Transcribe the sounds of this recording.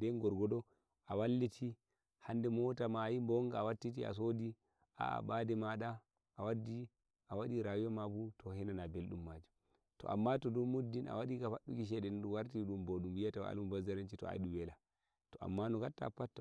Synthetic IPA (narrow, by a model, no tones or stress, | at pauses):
dɛnɡɔɾɡɔdɔ | ʔawalːitʰi | handɛmɔtamajimbɔŋɡaawatːit̬ia̰s̬odi | ʔa̰a̰badɛmaɗa | ʔawadːi | ʔawaɗiɾawujamabutʰɔhɛnanabelɗumːad͡ʒu | tɔ̰ʔa̰mːatɔdɔmudːinʔa̰waɗikafaɗukiʃ̬ɛɗɛnɗuwaɾtiɗumboɗumbijataw̰a̰lmubazaɾant͡ʃitɔ̰a̰iɗubɛla | tɔʔa̰mːanɔɡatːa̰pːatːa